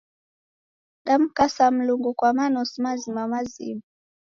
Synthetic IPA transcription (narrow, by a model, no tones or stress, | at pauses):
ɗam̩kasam̩luŋɡukwamanɔsimazimamazḭma